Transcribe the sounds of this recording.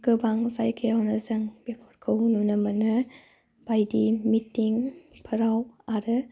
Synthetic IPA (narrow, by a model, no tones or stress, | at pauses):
kɯbaŋzajkʰeawnɐzɐŋb̥epʰɔɾkʰɯwnunɐmɐnɐ | b̥ajdimitiŋpʰɯɾawaɾɯ